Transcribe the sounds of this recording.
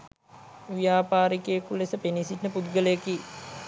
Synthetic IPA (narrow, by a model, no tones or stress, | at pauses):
ʋijaːpaːɾikejkulesəpenisiʈnəpud̪ɡələjəki